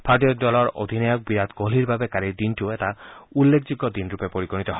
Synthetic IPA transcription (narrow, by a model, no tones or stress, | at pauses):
pʰatiɔdɔlɔɹo̰d̪ʱinejɔk̚biɾat̪ɡoliɾbabekaɾikd̪intioetaulːekʰd͡ʒiɡɔd̪inɾupepoɾiɡɔnit̪ɔɦɔ